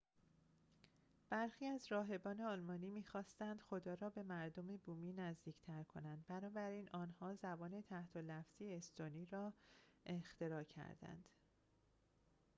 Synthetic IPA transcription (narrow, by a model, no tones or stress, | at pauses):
b̥æɾxiːæzɾɒːɦe̞bɒːneɒlmɒːniːmiːxɒːst̪ænd̪̥xo̞d̪ɒːɾɒːbe̞mæɾd̪omebuːmiːnæzd̪iːct̪ʰæɾkʰo̞̰nænd̪̚bænɒːbæɾiːnɒːnhɒːzæbɒːne̞t̪ʰæht̪ʰolæfz̥ieest̪oniːɾɒːext̪ʰe̞ɾɒːcʰæ̰ɾd̪æ̰nd̪̥